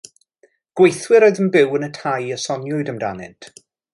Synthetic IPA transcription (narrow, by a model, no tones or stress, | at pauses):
ɡ̥wejθwɪɾɔjðənbɪwənətʰajəsɔnjʊɨdəmda̰nɪ̰ntʰ